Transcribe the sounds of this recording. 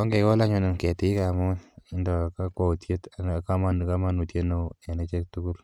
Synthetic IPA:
ɔ˦ŋɡe˨kɔ˦la˦ɲu˦nɪ˨nkɛ˨ti˨˦i˦ka˨mu˦ɪ˦ndɔ˨ka˦kwa˨u˨tje˦ta˨ka˦ma˦n˨ka˦ma˦nu˨tje˦no˦˨ɛ˨ne˦t͡ʃe˦ktu˦ku˦l

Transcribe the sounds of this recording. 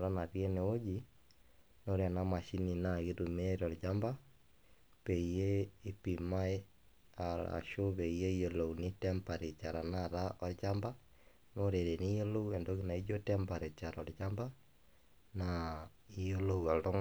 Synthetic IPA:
ɾa˦na˨ðjɛ˦ne˨o˦d͡ʒi˦ | no˦ɾe˨a˨na˨ma˨ʃi˦ni˨na˨ɣe˦ɾu˨me˦ɾɔ˨ɾd͡ʒa˦mba˦ | βɛ˨i˨jeː˦pi˨ma˦e˦ | a˨ɾa̰˨ʃo˦βɛ˨ije˦i˦jo˨lo˨u˨ni˦tɛ˦mpa˨ɾe˨t͡ʃa˨ɾa˨na˦˨ɾa˦ʔɔ˦ɾt͡ʃa˦mba˦ | no˦ɾe˨ɾe˨ni˦jo˦lo˦wɛ˨ndo˦ɣina˨i˦d͡ʒo˦tɛmba˨ɾe˨t͡ʃa˨ɾɔ˨ɾt͡ʃa˦mba˦ | na | i˦jo˦lo˦ua˨ɾo˦

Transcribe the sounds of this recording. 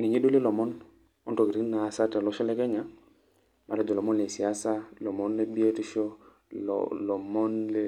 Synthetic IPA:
ni˨ɲe˦du˦le˦lo˨mo˦n | o˦nto˨ki˨ɾi˦na˨sa˦ta˨lo˦ʃo˦le˦ke˦ɲa˨ | ma˨ɾa˦d͡ʒo˨lo˨mo˦nle˨si˨a˦sa˦lo˨mo˦nle˦bi˦e˦ti˦ʃo˦ | l̰lo˨mo˦nle

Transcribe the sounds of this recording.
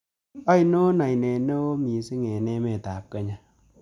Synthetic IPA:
a˦jno˦na˨jne˨ne˦o˦mi˨˦si˦ŋe˨ne˦me˨ta˨p̚ke˦ɲa˨

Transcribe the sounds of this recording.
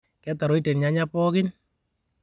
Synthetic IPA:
kɛ˦ta˨ɾo˦jte˨nɲa˦ɲapɔ˦kɪn

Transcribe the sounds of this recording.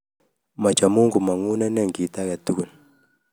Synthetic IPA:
ma˨t͡ʃa˨mu˦ŋɡu˨ma˨ŋu˦na˦nɛ˦˨ŋɡi˨ta˦kɛ˨tu˦ku˨n

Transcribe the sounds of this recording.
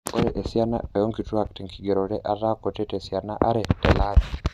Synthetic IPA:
o˦ɾeʔe˨sja˦na̰e˨jo˦ŋki˨tu˦a˨ki̥ti˨ŋkiɡeɾoɾe˦ʔata˦kotɛ˦tesjanaʔa˦ɾetela˦βi

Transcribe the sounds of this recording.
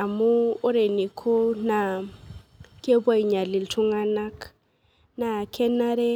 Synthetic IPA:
a˨muː˦ɾe˨ni˨kʰo˦na˨ | kʼe˦bwa˦i˨ɲa˨li˨ltʰu˦ŋa˦na˦k | na˨kʰɛ˦na˦ɾɛ˦

